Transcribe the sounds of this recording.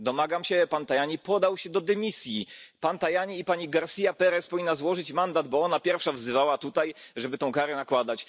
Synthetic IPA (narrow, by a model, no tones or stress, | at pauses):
d̪ɔmaɡamɕɛpant̪ajaɲipɔd̪awɕɛd̪ɔd̪ɛmʲisʲjipant̪ajaɲiːpaɲiɡaɾsʲijapɛɾɛspɔvʲinːazwɔʐɘt͡ɕmand̪ad̪bɔɔnapʲjɛɾfʂavzɘvawat̪ut̪ajʐɛbɘt̪ɔ̃w̃kaɾɛnakwad̪at͡ɕ